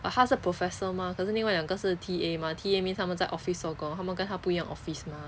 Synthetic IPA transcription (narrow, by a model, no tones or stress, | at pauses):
ət̪ʰaʂɻ̩pʰɹofɛsəmakʰɤʂɻ̩liŋwaljŋɡəʂɻ̩t̪ʰiemat̪ʰiemjint̪ʰamənt͡saɪʔɔfissɔkʊ̃ŋt̪ʰamənkənt̪ʰapuijoŋʔɔ̰fisma